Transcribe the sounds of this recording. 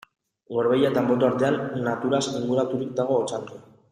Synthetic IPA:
ɡo̞ɾβejat̪ambo̞t̪oaɾt̪e̞anːat̪uɾasiŋɡuɾat̪uɾik̚d̪aɣ̞o̞ːt͡sant̪e

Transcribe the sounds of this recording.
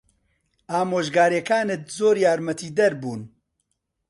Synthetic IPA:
aːmoːʒɡaːɾeːkaːnɨt̪̚zoːɾjaːɾmɐt̪iːd̪ɐɾbuːn

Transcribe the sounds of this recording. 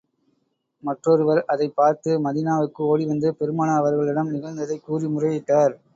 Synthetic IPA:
mɐʈrɔɾɯʋɐɾɐðɐɪpːaːɾt̪ɯmɐðɪnaːʋɯkːɯoːɽiʋɐnd̪ɯpɛɾɯmaːnaːʋɐɾɣɐɭɪɽɐmnɪɣɐɾnd̪ɐðɐɪkːuːrimʊrɐjɪʈːaːɾ

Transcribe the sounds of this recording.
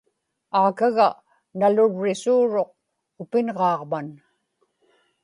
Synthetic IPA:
aːkaɣa | nalʊɻːɪsuːɻoq̚ | ʊpɪnʁɑːʁman

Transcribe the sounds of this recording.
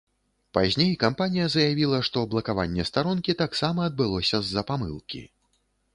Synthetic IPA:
pazʲnʲejkampanʲijɐzɐjavʲilˠɐʂt̪ɔblˠɐkava̰nʲːɛst̪aɾɔnkʲit̪aksamɐːd̪̚bɨlˠɔsʲɐzːɐpamɨ̰lˠkʲḭ

